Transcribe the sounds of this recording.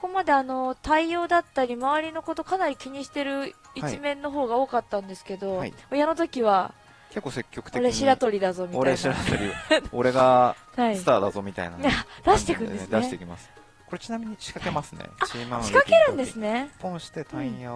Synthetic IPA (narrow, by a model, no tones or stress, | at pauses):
so̥ko̞mad̪e̞ano̞t̪aio̞ːd̪at̪ːaɾʲimaβaɾʲino̞ko̞t̪o̞kanaɾʲikʲiɲ̟iɕi̥t̪e̞ɾɯ̟ | it͡ɕimẽ̞nːo̞ɦo̞ːɡao̞ːkat̪ːãnd̪e̞sɨ̥ke̞d̪o̞aiojano̞t̪o̞kʲiβ̞a | kekːose̞kʲːo̞kɯ̥t̪eoɾeɕiɾat̪o̞ɾʲid̪azo̞mʲioaɾeɕiɾat̪oɾʲioɾe̞ɡa | haisɨt̪aːd̪a̰zo̞mʲit̪a̰ḭnaad̪̥aɕi̥t̪e̞kɯ̟̃esɨd̪aeiteikʲima̰sɨ̥ | ko̞ɾe̞t͡ɕinamʲiɲ̟iɕi̥kake̞masɨnḛaɕimãɕi̥kake̞ɾɯ̟̃nd̪e̞sɨne̞põɰ̃ɕi̥t̪e̞t̪ãĩja